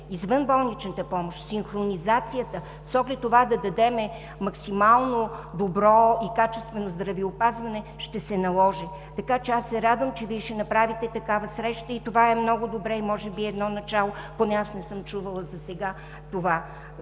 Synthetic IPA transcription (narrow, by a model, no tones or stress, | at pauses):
izvənbɔlˠnit͡ʃnət̪əpɔmoʃt̪sinxɾonizat̪sijət̪ə | sɔɡlɛt̪ːovad̪ɐd̪ɐd̪ɛmɛ | mɐksimalˠnod̪obɾɔikat͡ʃɛst̪vɛnozd̪ɾɐviopazvɐnɛʃt̪ɛsɛnɐlˠɔʒɛ | t̪ɐkat͡ʃɛasːɛɾad̪vəmt͡ʃɛviɛʃɛnɐpɾavit̪ɛt̪ɐkavəsɾɛʃt̪əit̪ovaɛmnɔɡʊd̪obɾɛimɔʒɛbiɛd̪nɔnɐt͡ʃalˠoponɛasnɛsɤmt͡ʃuvəlˠəzɐsɛɡa | t̪ova